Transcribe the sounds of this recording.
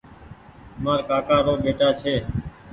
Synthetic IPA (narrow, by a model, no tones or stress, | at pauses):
maːɾkaːkaːɾoːɓeːʈaːt͡ʃʰeː